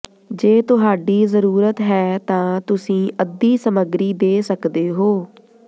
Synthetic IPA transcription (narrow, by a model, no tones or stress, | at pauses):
d͡ʒeːt̪ʊɦaːɖiːzəɾuːɾət̪ɦɛːt̪ãːt̪ʊsĩːʔəd̪iːsəməɡɾiːd̪eːsəkd̪eːɦoː